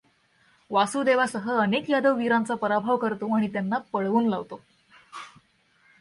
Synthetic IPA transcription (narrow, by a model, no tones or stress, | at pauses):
ʋasuːd̪eʋasəɦəənekjad̪əʋːiɾãnt͡sapəɾabʱaʋkəɾt̪oaɽ̃it̪janːapəɽʋuːnlaʋt̪o